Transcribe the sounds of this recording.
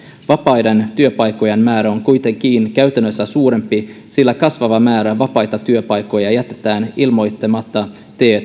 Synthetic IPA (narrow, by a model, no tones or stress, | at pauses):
ʋɑpɑjdent̪yøpɑjkːo̞jenmæːɾæo̞ŋkujt̪eŋk̟iːnkæɥt̪ænːøsːæsuːɾe̞mpi | silːækɑsʋɑʋɑmæːɾæʋɑpɑjt̪ɑt̪yøpɑjko̞jɑjæt̪et̪æːnilmo̞jt̪ːemɑt̪ːɑ | t̪eːt̪